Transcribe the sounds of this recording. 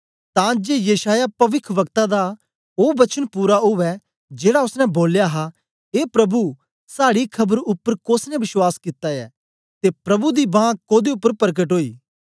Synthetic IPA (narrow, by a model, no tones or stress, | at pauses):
t̪ãd͡ʒeːjɐʃaːjapɐʋɪkʰʋɐkt̪ad̪a | oːbɐt͡ʃənpuːɾaɦʊʋɛ | d͡ʒeːɽaʊsnɛ̃boːljaɦa | eːpɾɐbu | saːɽikʰɐbəɾʊpːəɾkoːsnɛ̃ʋɪʃwaːskɪt̪ːajɛ̰ː | t̪epɾɐbud̪ibãːkoːd̪eʊpːəɾpəɾk̬əʈɦoːḭː